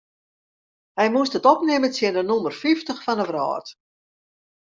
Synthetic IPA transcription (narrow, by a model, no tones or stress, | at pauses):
hɛjmuəstətɔpnɪmənsjɪnənɔmərfiftəxfanəʋrɔ̰ːrt